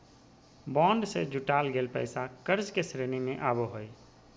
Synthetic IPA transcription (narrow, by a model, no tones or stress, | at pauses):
bɔ̃ːɳɖsed͡ʒʊʈaːlɡʱeːlpə̰ɪsakəɾzkesɾeːninẽʔaːboɦoe